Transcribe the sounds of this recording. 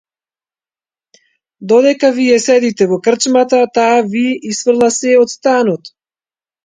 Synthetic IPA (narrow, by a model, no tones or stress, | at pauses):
d̪ɔd̪ɛkavijɛsɛd̪it̪ɛvɔkr̩t͡ʃmat̪at̪aːviɛʔisfr̩lˠasɛɔt̪st̪anɔt̪